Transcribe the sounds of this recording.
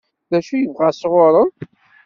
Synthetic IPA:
ðæʃujəvʁasʁʊɾˤə

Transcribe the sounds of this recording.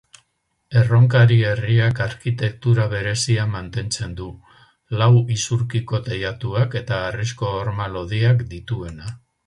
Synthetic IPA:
e̞ro̞ŋk̬aɾie̞riakaɾkit̪e̞k̚t̪uɾaβ̞e̞ɾe̞siamant̪e̞nt͡se̞nd̪u | lawisuɾkiko̞t̪ejat̪uake̞t̪aːrisko̞ːɾmalo̞ð̞iakd̪it̪ue̞na

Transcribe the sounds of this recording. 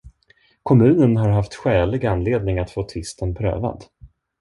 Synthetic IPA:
kʰɔmʉ̟ːnənɦaɾɦaft̪ɧɛːlɪɡanːleːd̪̚nɪŋat̪foːt̪ʰɪst̪ənpʰɾø̰ːva̰d̪

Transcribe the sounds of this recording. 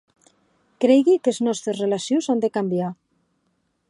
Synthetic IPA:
kɾejɣikeznɔst̪ɾesrelasjuwzand̪ekambja

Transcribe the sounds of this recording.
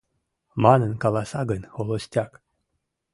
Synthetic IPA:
manənkalˠasaɡənʲxolˠosʲt̪ʲak

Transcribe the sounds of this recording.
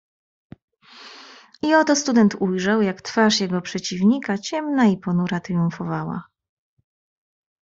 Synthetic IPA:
iɔt̪ɔst̪ud̪ɛnt̪ujʐawjakt̪faʂjɛɡɔpʂɛt͡ɕivɲikat͡ɕɛmnaipɔnuɾat̪ɾjuɱfɔvawa̰

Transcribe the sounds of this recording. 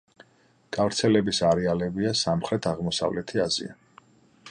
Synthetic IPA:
ɡ̥avɾt̪sʰɛlɛbisaɾɛalɛbiasamχɾɛt̪ʰaʁmɔsa̰vlɛt̪ʰiazḭa̰

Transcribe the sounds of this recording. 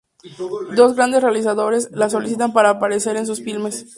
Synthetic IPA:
d̪o̞zɣɾand̪esrealis̬aðo̞ɾe̞slaso̞lis̬it̪ampaɾaːpaɾe̞se̞ɾe̞ns̬usfilmes

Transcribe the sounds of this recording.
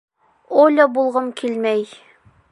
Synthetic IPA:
olʲɤbulˠʁɤmkʰilmæj

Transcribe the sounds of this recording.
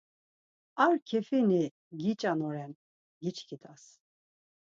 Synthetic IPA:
aɾkʰɛfini | ɡit͡ʃʼanɔɾɛn | ɡit͡ʃʰkʰit̪ʰas

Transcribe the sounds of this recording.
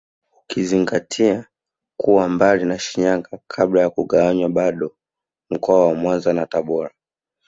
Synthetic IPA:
ukiziŋɡatʰia | kuwambalinaʃiɲaŋɡakʰaɓlajakuɠawaɲwaɓaɗɔ | m̩kɔawamwanzanataɓɔɾa

